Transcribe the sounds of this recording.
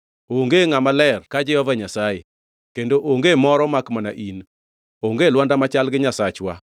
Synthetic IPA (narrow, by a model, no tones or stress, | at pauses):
oŋɡeŋamalɛrkad͡ʒɛhɔvaɲasaje | kendoʔoŋɡemɔɾɔmakmana̰ʔin | oŋɡelwandamat͡ʃalɡɪɲasat͡ʃwa